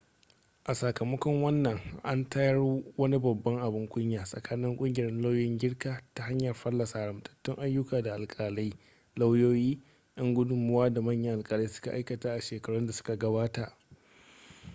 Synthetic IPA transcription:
ʔa˨sa˨kɐ˨mɐ˦kɔ˦ŋwɐ˦nːɐ˨ŋʔa̰˦ntɐ˦jɐ˦rwɐ˦ni˦bɐ˨bːɐ˦ŋʔa˨bɪ˦ŋkʷʼʊ˦ɲjaː˨sʼɐ̰˨kʰaː˦nɪ˦ŋkʷʼʊ˦ŋɡʲɪ˨ɾɛ˦nla˦wjɪ˦ŋɡʲɪ˦ɽkaː˨ta˨ha˦ɲjɐ˨rɸɐ˦lːɐ˨saː˨ɽɐ˨mtʰɐ̥˨tːʊ˦ŋʔa˦jːʊ˦kaː˨da˨ʔa˨lkʼaː˨la˦j | la˦wjoː˦jiː˦ | ʔɐ˦ŋɡʷʊ˦dʊ˦mʊ˦waː˦da˨mɐ˦˨ɲjɐ˦ʔa˨lkʼaː˨la˦sʊ̥˦ka˨ʔa˦jkɐ˨taː˦ʔa˨ʃeː˨kɐ˨ɽʊ˦nda˨sʊ̥˦ka˨ɡɐ˦baː˦taː˨ʔ

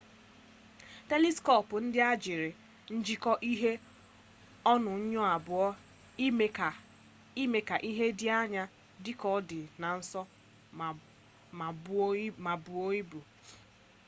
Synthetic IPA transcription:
te˦li˦skɔ˦˨pʊ˨n̩˦dɪ˦a˦d͡ʒɪ˨ɾɪ˨ | n̩˦d͡ʒi˦kɔ˦ʔi˦ɦe˦ | ɔ˦nʊ˨˦ɲɔ˦a˨bʊ˨ɔ˦˨ | i˦me˨ka˨ʔi˦ɦe˦dɪ˦a˦ɲa˦ | dɪ˦kɔ˦dɪ˨na˨n̩˦sɔ˦˨ | ma˨bu˨o˦i˦bu˨

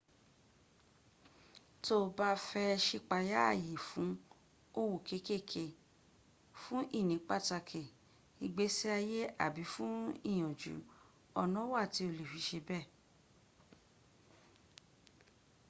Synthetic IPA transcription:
to˦˨ba˧˦fɛ˧ʃi˧k͡pa˧ja˦a˦˨je˨fũ˨˦ | o˦wo˨ke˧˦ke˦˨kʰe˧ | fũ˦ʔi˦˨nĩ˨˦k͡pa˦˨ta˧kʰe˨ | i˧ɡ͡be˦si˦a˧je˦a̰˦˨bi˨˦fũ˦ḭ˦˨j̃ɔ̃˨d͡ʒṵ˨˦ | ɔ˧nɔ̃˦wa˦˨ti˨˦o˧˨le˨fi˧˦ʃe˧bɛ˦˨

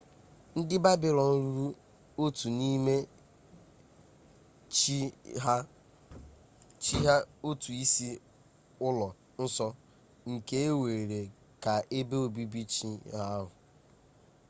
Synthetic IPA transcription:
n̩˦dɪ˦ba˦bɪ˨lɔ˨n̩˦ɾɾu˦ | o˦tu˨ni˦me˦ | t͡ʃɦ | t͡ʃi˦ɦa˦o˦tu˨i˦si˦ | ʊ˦lɔ˨ | n̩˦sɔ˦ | ŋ̩˨ke˦e˦we˨ɾe˨ | ka˨ʔe˦be˦o˨bi˦bi˦t͡ʃi˦ɦa˦ɦʊ˨

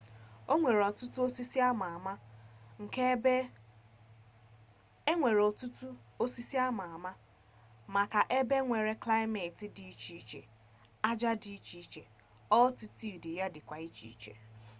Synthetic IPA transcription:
o˦ŋʷe˨ɾɔ˨tʊ˦tu˦o˦si˦si˦a˦ma˨a˨ma˦ŋ̩˨ke˦be˦ | e˦ŋʷe˨ɾɔ˨tu˦tu˦o˦si˦si˦a˦ma˨a˨ma˦ | ma˨ka˨ʔe˦be˦ŋʷe˨ɾe˦kla˦ɪ˦me˨tɪ˨di˨i˦t͡ʃi˦t͡ʃḛ˨ | a˦d͡ʒa˦di˨i˦t͡ʃi˨˦t͡ʃe˨ | ɔ˦ti˨ti˦˨dɪ˨ja˦dɪ˨kʷa˨i˦t͡ʃḭ˦i˦t͡ʃḛ˨

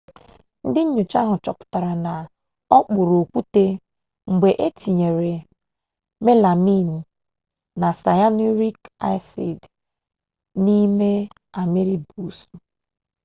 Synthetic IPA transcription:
n̩˦dɪ˦ɲ̩˦ɲu˨t͡ʃa˦ɦʊ˨t͡ʃɔ˨kʊ̥˨ta˨ɾa˨na˨ | ɔ˦k͡pʊ˨ɾo˨kʷu˦te˦ | ŋ͡m̩˨ɡ͡be˨ʔe˦tʰi˨ɲe˨ɾe˨ | me˦la˨mi˦˨n̩˨ | na˨sa˨ja˦nu˦ɾi˦ka̰˦ɪ˦sḭ˨d | ni˦me˦ | a˨me˦ɾi˦bu˦˨su˨

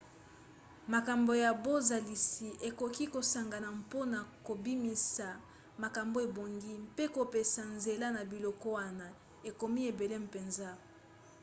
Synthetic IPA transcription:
ma˨ka˨mbo˨ja˨bo˦za˨li˨si˨ʔe˨ko˨ki˦ko˨sa˨ŋɡa˨na˨mpo˦na˨ko˨bi˦mi˨sa˨ | ma˨ka˨mbo˦e˨bo˨ŋɡi˦mpe˦ko˨pe˨sa˨nze˨la˦na˨bi˨lɔ˨kɔ˦wa˦na˨ | e˨ko˨mi˦e˨be˨le˦m˨pe˨nza˦

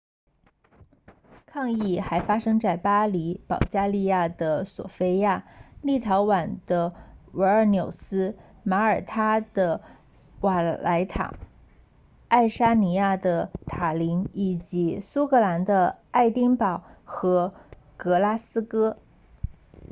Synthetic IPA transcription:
kʰɑ˥˧ŋi˥˩xa˧˥ɪfa˥ʂɤ˥ŋt͡sa˥˩ɪpa˥li˧˥pɑ˨˩ʊt͡ɕja˥li˥˧ja˥˩d̪ə˩swɔ̰˨˩fe˥ɪja˥˩li˥˩t̪ʰɑ˧˥ʊwa˨˩nd̪ə˦wə˧˥ə˞˧˩njo˨˩ʊsɹ̩˥ | ma˧˥ə˞˨˩t̪ʰa˥d̪̥ə˨ | wa˨˩la˧˥ɪt̪ʰa̰˨˩ | a˥˩ɪʂa˥ni˧˥ja˥˩d̪ə˩t̪ʰa˨˩li˧˥ŋi˨˩t͡ɕi˧˥su˥kɤ˧˥la˧˥nd̪ə˧a˥˩ɪt̪i˥ŋpɑ˨˩˦ʊxɤ˧˥ | kɤ˧˥la˥sɹ̩˥kɤ˥

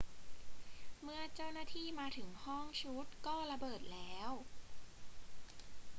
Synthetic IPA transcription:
mɯ˥ɐt͡ɕa˥˩wnaː˥˩t̪ʰiː˥˩maː˧t̪ʰɯ˩˦ŋhɔ˥˩ŋt͡ɕʰu˦˥t̪̚kɔː˥˩ɾa˧bɤː˨˩t̪̚lɛː˦˥w

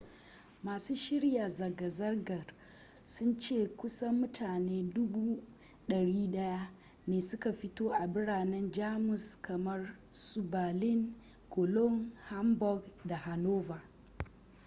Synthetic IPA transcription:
maː˨suː˦ʃɪ˦ɽja˨zɐ˨ɡɐ˨zɐ˦rɡɐ˨r | sʊ˦nt͡ʃeː˦˨kʷʊ˦sɐ˦mʊ˦tʰaː˨neː˦dʊ˦buː˦ | ɗɐ˨ɽiː˦ɗɐ˦ja˦ | neː˨sʊ˦ka˨ɸɪ˦toː˦ʔa˨bɪ˦ɽaː˨nɛ˦nd͡ʒaː˦mʊ˨skʰɐ˨mɐ˦r | su˨baː˨lɪ˦ŋ | ko˨lɔ˦nha˦mbɔ˦ɡda˨ha˨noː˦va˨

